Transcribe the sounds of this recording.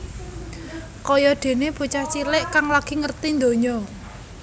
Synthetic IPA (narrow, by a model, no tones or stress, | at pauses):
kɔjɔɖ̪̥e̤neb̥ṳt͡ʃat͡ʃilɪʔkaŋlaɡ̥i̤ŋərt̪ind̪oɲɔ